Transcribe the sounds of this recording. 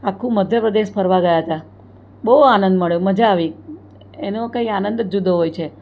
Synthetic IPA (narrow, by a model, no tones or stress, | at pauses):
akʰːũməd̪ʱjəpɾəd̪eʃpʰəɾʋaɡəjaɦət̪a | bəɦuanənd̪məɭjoməd͡ʒaːʋi | enokaianə̃nd̪d͡ʒud̪ʱoɦojt͡ʃʰe